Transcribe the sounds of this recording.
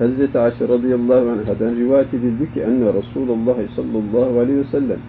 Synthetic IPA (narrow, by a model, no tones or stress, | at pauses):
hazːat̪ʕaːʃɾˤɑd̪ˤɨjɑlˤːɑːhʊʕanɦad̪anɾɪwaːjat̪ɪd̪ɪlbɪkʔanːaɾˤɑsuːlɑlˤːɑːhsˤɑlːɑlˤːɑːhʕalaːhwasalːam